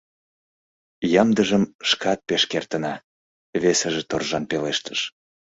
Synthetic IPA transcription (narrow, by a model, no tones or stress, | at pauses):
jɑmd̪əʒəmʃkʰɑt̪̚peʃkert̪ənɑ | βesəʒĕt̪orʒɑnpeleʃt̪ə̥ʃ